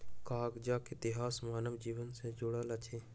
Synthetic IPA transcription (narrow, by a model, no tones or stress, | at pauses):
kaːɡd͡ʒakɪt̪ɪɦaːsmaːnəʋd͡ʒiːʋənsed͡ʒʊɽəlɐt͡ʃʰeː